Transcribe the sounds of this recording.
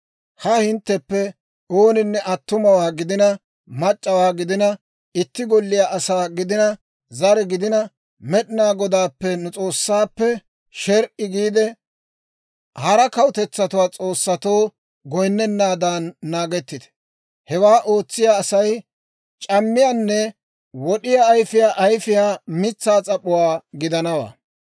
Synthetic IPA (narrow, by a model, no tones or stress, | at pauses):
hɐhɪnt̪ːɛpːɛ | oːnɪnːɛʔɐt̪ːʊmɐwaːɡɪd̪ɪnɐ | mɐt͡ʃʼːɐwaːɡɪd̪ɪnɐ | ɪt̪ːɪɡɔlːɪjaːʔɐsaːɡɪd̪ɪnɐ | zɐɾɛɡɪd̪ɪnɐ | mɛɗɪnaːɡɔd̪aːpːɛnʊt͡sʼo̞ːsːaːpːɛ | ʃɛɾʔɪɡiːd̪ɛ | hɐɾɐkɐwʊt̪ɛt͡sːɐt̪ʊwaːt͡sʼo̞ːsːɐt̪o̞ː | ɡɔjnːɛnːaːd̪aːnːaːɡɛt̪ːɪd̪ɛ̥ | hɛwaːʔo̞ːt͡sːɪjaːsɐj | t͡ʃʼɐmːɪjaːnːɛ | wɔɗɪjaːjfɪjaːʔɐjfɪjaːmɪt͡sːaːt͡sʼɐpʼːʊwaːɡɪd̪ɐnɐwa̰ː